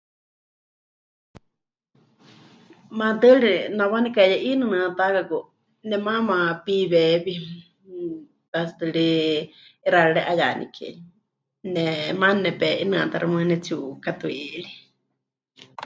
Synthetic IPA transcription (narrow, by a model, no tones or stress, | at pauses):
mãt̪ɨɺinãwanikajaʔinɨnɨ̃ãt̪akaku | nɛmãmãpiβɛːβi | t̪asɨt̪ɨɺi | iɾaɺɨɺɛʔajanḭkʰɛ̰ɲ | nɛmannɛpɛʔinɨ̃at̪aɾamɨ̃nɛt͡sukat̪uiɺi